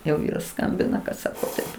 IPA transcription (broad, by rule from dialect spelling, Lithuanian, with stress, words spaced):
jɛʊ ˈʋʲiːrɐs ˈskɐmʲbʲɪnɐ kɐt ˈsɑːkoː tɐɪp